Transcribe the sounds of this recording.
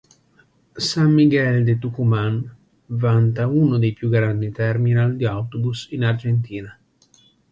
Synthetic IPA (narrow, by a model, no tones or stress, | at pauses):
samːiɡɛld̪et̪ukuman | vant̪aunod̪ejpjuɡɾand̪it̪ɛrminald̪iawt̪obusinard͡ʒent̪iːna